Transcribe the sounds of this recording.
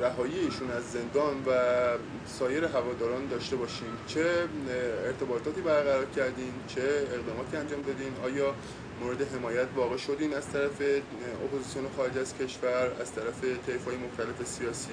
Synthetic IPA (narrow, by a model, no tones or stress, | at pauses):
ɾæɦɒːjiːeiːʃuːnæzːe̞nd̪ɒːnvæ | sɒːje̞ɾe̞ɦævɒːd̪ɒːɾɒːnd̪ɒːʃt̪e̞bɒːʃiːnt͡ʃʰe̞ | eɾt̪ʰe̞bɒːt̪ʰɒːt̪iːbæɾɣæɾɒːɾcʰæɾd̪iːnt͡ʃʰe̞ːɣd̪ɒːmɒːt̪ʰiːænd͡ʒɒːmd̪ɒd̪iːnɒːjɒː | moɾe̞d̪e̞ɦe̞mɒːjæt̪ʰvɒːɣeʃo̞d̪iːnæz̥t̪ʰæɾæfe̞ | o̰pʰozisijonexɒːɾe̞d͡ʒæz̥cʲʰe̞ʃvæɾæ̰z̥t̪ʰæɾæfe̞t̪ʰe̞jfhɒːjemoxt̪ʰæle̞fe̞siɒːsiː